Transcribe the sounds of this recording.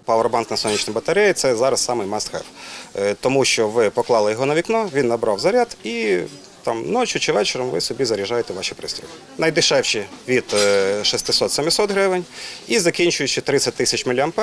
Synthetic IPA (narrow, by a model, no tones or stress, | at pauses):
pɐʋɾbɑnknɐsɔnʲit͡ʃnɪmbɐt̪ɐɾʲɛjt̪sɛzɑɾɐssɑmɪjmɑst̪xɛ̰pt̪ɔmuʃt͡ʃɔʋɪpɔklˠɑlˠɪjɔɦɔnɐʋʲiknɔʋʲinːɐbɾɑwzɐɾʲad̪i | t̪ɑmnɔt͡ʃʊt͡ʃɪʋɛt͡ʃeɾɐmʋɪsɔbʲizɐɾʲiʒɑjet̪ɛʋɑʃipɾɪsʲt̪ʲɔɪ | nɐjd̪ɪʃɛwʃɪʋʲid̪̥ʃist̪ɪsɔt̪semʲɪsɔt̪ɦɾɪʋɪnʲizɐkʲinʲt͡ʃʊjʊt͡ʃɪt̪ɾɪsʲɐt̚ʲt̪ɪsʲɐt͡ʃmɪlʲɐmp